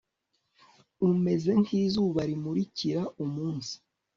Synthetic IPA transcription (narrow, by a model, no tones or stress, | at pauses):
ume̞ze̞nhiːzuːβaɾimuɾiciɾaumuːnsi̥